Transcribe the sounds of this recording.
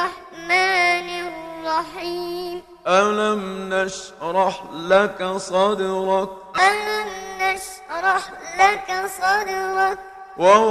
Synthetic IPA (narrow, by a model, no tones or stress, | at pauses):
ɑħ | maːnɪrˤːɑħim | ʔalamnaʃ | ɾˤɑħlakasˤɑd̪ɪɾɑk̚ | ʔalamnaʃ | ɾˤɑħ | lakasˤɑːd̪ɪɾɑk̚ | wa